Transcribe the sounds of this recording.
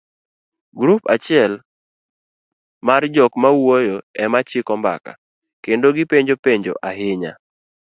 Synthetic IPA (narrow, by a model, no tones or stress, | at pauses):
ɡɾupat͡ʃɪɛl | mard͡ʒɔkmawojoɛmat͡ʃɪkɔmba̰ka̰ | kendoɡɪpeɲd͡ʒopeɲd͡ʒo̰ʔaɦɪɲa̰